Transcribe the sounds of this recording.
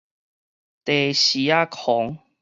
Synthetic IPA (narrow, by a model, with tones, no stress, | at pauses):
t̪e˨˩ɕi˨˦a˦˧kʰɔ˨˦ŋ